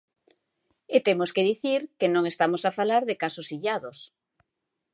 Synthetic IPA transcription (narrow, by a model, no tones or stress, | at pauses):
et̪emoskeðiθiɾkenõŋest̪amosafalaɾðekasosiʎaðos